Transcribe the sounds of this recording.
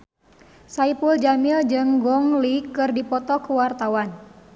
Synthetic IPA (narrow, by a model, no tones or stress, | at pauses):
saipuld͡ʒamild͡ʒɨŋɡɔŋlikɨrdipɔt̪ɔkəwart̪awan